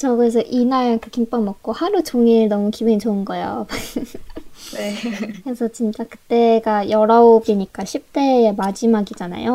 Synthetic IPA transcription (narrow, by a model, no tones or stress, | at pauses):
t͡ɕʌɡɯes̬ʰʌʔinaɭakʰekimp͈ʌmʌk̚k͈ohaɾut͡ɕoŋiɾɯɭnʌmukibɯnit͡ɕoɯnɡʌejo̰ | nekɯɾesʰʌt͡ɕint͡ɕ͈akɯ̥t͈e̞ɡajʌɾʌobiɲik͈aɕʰip̚t͈e̞ːmad͡ʑimaɡid͡ʑana̰jo